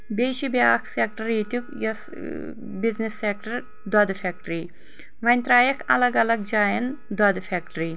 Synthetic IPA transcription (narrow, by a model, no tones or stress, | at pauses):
beːʃibiaːkʰsek̚ʈɐɾiːt̪ukjɐs | biznisːek̚ʈɐɾ | d̪wɐd̪ɨfʰek̚ʈɾiː | ʋɐjnt̪ɾaːjɐkʰɐ̰lɐɡɐlɐɡ̚d͡ʒaːjɐnd̪wɐd̪ɨfʰek̚ʈɾi